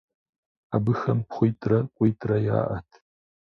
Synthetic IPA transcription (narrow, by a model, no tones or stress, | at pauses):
abɨxɐmpχʷijtʼrɐkʷʼijtʰʼrɐja̰ːʔɐtʰ